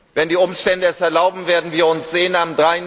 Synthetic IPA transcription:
vɛndiːʊmʃtɛndəɛsɛɐlaʊbm̩veːɐdn̩viːɐʊnsz̥eːənamdʁaɪ

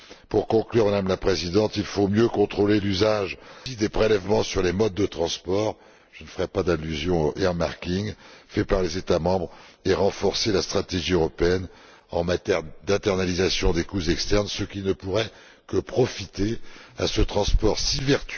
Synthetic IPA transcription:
puʁkɔ̃klyʁmad̪amlapχezid̪ɑ̃t̪ilfomjøkɔ̃t̪χolelyzaʒid̪epχelɛvmɑ̃syʁlemɔd̪̚ːət̪χɑ̃spɔʁ | ʒ̥ənfəʁɛpad̪alːyzjɔ̃ʔeamaʁkʲiŋfɛpaʁlezet̪amɑ̃bʁeʁɑ̃fɔʁselast̪χat̪eʒiøʁɔpeɛn | ɑ̃mat̪ɛʁd̪ɛ̃t̪ɛʁnalizasjɔ̃d̪ekuzɛkst̪ɛʁnsəkʲinəpuʁɛ | kəpχɔfit̪ea̰sət̪χɑ̃spɔʁsivɛʁt̪

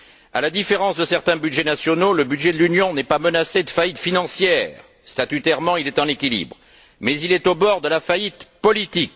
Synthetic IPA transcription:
a̰lad̪ifeʁɑ̃sd̪əsɛʁt̪ɛ̃bydʒenasjɔnoləbyd̪ʒed̪əlynjɔ̃nɛpamənased̪əfait̪finɑ̃sjɛːʁ | st̪at̪yt̪ɛʁmɑ̃ilɛt̪ɑ̃lekʲilḭbʁ | mɛzilɛt̪obɔʁd̪əlafait̪pɔlit̪ik

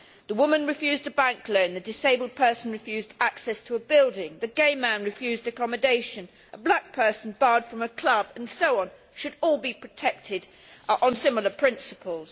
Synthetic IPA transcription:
ðəwʊmə̃nɹɨfjʉːzdəbæ̃ŋkʰlə̃ʊ̃nðɨdɪseɪbəl̩ˠd̚pʰɜˑ˞sn̩ɹɨfjʉzdæksɛstʰəːbɪlˠdɪ̃ŋðɨɡeɪmæ̃nɹɨfjʉzdɨkɑmɨdeɪʃɨ̃n | ʔəblæk̚pʰɜ˞sn̩bɑɹd̥fɹʌ̃məkʰl̥ʌbə̃nsoʊə̃n | ʃɨɾɔlˠbipʰɹ̥ɨtʰɛk̚tʰɪd | ə̃nsɪ̃ml̩ˠəpʰɹ̥ɪ̃nsəpʰəlˠz̥

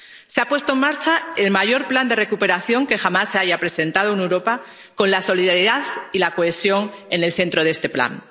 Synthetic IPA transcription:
seapwe̞st̪oe̞ŋmaɾt͡ʃae̞lmaʝo̞ɾpland̪e̞re̞kupe̞ɾaθjo̞ŋke̞xamasːe̞aʝapɾe̞se̞nt̪að̞ounewɾo̞pa | ko̞nlaso̞liðaɾiðaðilako̞e̞sjo̞ŋe̞ne̞lθe̞nt̪ɾo̞ðe̞st̪e̞pla̰n

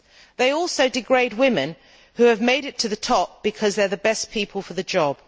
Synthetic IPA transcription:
ðeɪɔlˠsoʊdɨɡɹeɪd̚wɪ̃mɨ̰̃n | hʉɨvmeɪɾɨtʰɨðɨtʰɒp̚b̥ɨkʰʌzðə˞ðɨbɛspʰipʰəl̩ˠfə˞ðɨd͡ʒɒb̥

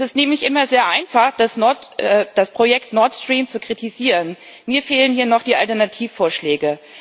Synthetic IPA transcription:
sɪstneːmlɪçʔɪmɐzeːɐʔaɪnfaχd̥asɔtɛd̥aspʁ̥ojɛktnɔɐtstʁ̥iːmt͡sukʁ̥itʰiziːʁən | miːɐfeːlənhiːɐnɔχd̥iːʔa̰ltɛɐnatʰiːfːoːɐʃlɛːɡə

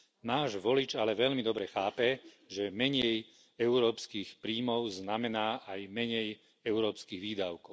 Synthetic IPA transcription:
naːʒʋɔlit͡ʃalɛʋɛʎmid̪ɔbɾɛxaːpɛ | ʒɛmɛɲɛj | ɛʊɾɔːpskiːxpɾiːmɔʊznamɛnaːʔajmɛɲɛj | ɛʊɾɔːpskiːɣʋiːd̪aʊkɔʊ

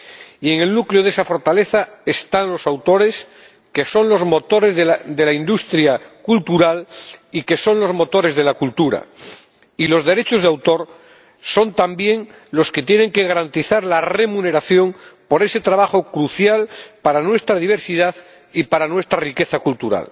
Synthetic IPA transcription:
ie̞ŋe̞lnukleoðe̞safo̞ɾt̪ale̞θae̞st̪aŋlo̞sawt̪o̞ɾe̞s | ke̞so̞nlo̞zmo̞t̪o̞ɾe̞zðd̪elaind̪ust̪ɾjakult̪uɾalike̞so̞nlo̞zmo̞t̪o̞ɾe̞zð̞e̞lakult̪uɾa̰ | ilo̞zðe̞ɾe̞t͡ʃo̞zðawt̪o̞ɾ | so̞nt̪ambje̞ŋ | lo̞ske̞t̪je̞nẽ̞ŋke̞ɣaɾant̪iθaɾlare̞mũne̞ɾaθjo̞ŋpo̞ɾe̞se̞t̪ɾaβaxo̞kɾuθjalpaɾanwe̞st̪ɾaðiβ̞e̞ɾsið̞að | ipaɾanwe̞st̪ɾarike̞θakult̪uɾa̰l

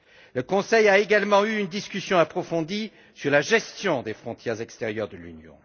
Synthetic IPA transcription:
ləkɔ̃sɛjaeɡalmɑ̃yːnd̪iskʲysjɔ̃apχɔfɔ̃d̪i | syʁlaʒɛst̪jɔ̃d̪efχɔ̃t̪jɛʁzɛkst̪ɛʁjœʁd̪əlynjɔ̰̃

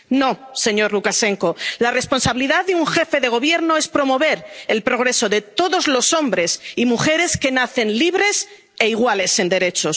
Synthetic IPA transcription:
no̞se̞ɲo̞ɾlukase̞ŋko̞lare̞sponsaβiliðaððeuŋxe̞fe̞ðe̞ɣ̞o̞β̞je̞ɾnoe̞spɾo̞mo̞β̞e̞ɾelpɾo̞ɣ̞ɾe̞so̞ðe̞t̪o̞ðo̞zlo̞so̞mbɾe̞simuxe̞ɾe̞ske̞naθe̞nliβ̞ɾe̞s | e̞iɣ̞wale̞se̞nd̪e̞ɾe̞t͡ʃo̞s

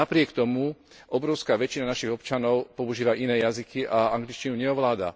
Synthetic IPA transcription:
apɾɪɛkt̪ɔmu | ʔɔbɾɔʊskaːʋɛt͡ʃinanaʃiɣɔpt͡ʃanɔʊpɔuʒiːʋaʔinɛːjazikiʔaaŋɡlit͡ʃcinuɲɛɔʋlaːd̪a̰

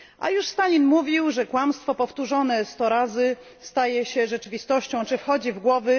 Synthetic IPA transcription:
ʔa̰juʂst̪alʲinmuvʲiwʐɛkwamst̪fɔpɔft̪uʐɔnɛst̪ɔɾazɘ | st̪ajɛɕɛʐɛt͡ʂɘvʲist̪ɔɕt͡ɕɔ̃w̃t͡ʂɘfxɔd͡ʑivɡwɔvɘ

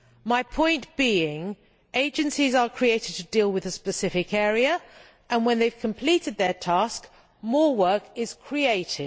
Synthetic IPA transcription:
maɪpʰɔ̃ɪ̃nʔb̥iːɪ̃ŋ | eɪd͡ʒə̃nsizəkʰɹ̥ieɪtɪd̚tʰədiːlˠwɪðəspəsɪfɪkɛːɹiə | ʔə̃nwə̃nðeɪv̥kʰə̃mpʰl̥iˑtɪd̪̚ðətʰɑˑsk | mɔːwɜˑkɪz̥kʰɹ̥ieɪtɪ̥

